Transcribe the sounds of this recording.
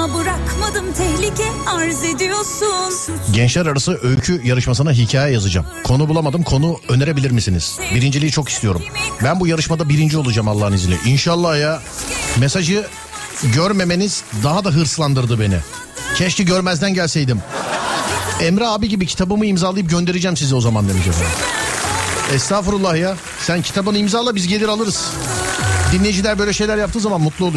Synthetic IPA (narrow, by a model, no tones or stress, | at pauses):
bɯɾakmad̪ɯmt̪ʰɛhlʲicɛaɾzed̪ijo̞ɾsunɟɛnt͡ʃlʲæɾaɾasɯʔøjcʰyjaɾɯʃmasɯnaɦicʰaːjɛjazɯd͡ʒa̰mkʰo̞nubulˠamad̪ɯmkʰo̞nuø̞ne̞ɾe̞bilʲiɾmisinḭz̥biɾind͡ʒilʲijit͡ʃʰo̞kist̪ijo̞ɾumbænbujaɾɯʃmad̪abiɾind͡ʒiolˠud͡ʒamalˠːaːhɯnizilʲɛ̰ʔinʃalˠːaːja | mesaʒɯ | ɟøɾme̞me̞niz̥d̪aɦad̪aɦɯɾslˠand̪ɯɾd̪ɯbe̞nḭ | cʰɛʃciɟøɾmæzd̪ænɟælʲsejd̪im | ɛmɾɛaːbiɟibicʰi̥t̪ʰabɯmɯimzaːlˠajɯp̚ɟø̞nd̪e̞ɾid͡ʒɛmsizd̪ɛo̞zamand̪emid͡ʒefena̰ | ɛst̪aːfɯɾulˠːahja | sæncʰi̥t̪ʰabɯnɯimzaːlˠabizɟe̞lʲiɾalˠɯɾɯz̥ | d̪inlʲːejid͡ʒilʲæɾbø̞jlʲɛʃe̞jlʲæɾjap̚t̪ɯːzamanmut̪lˠuu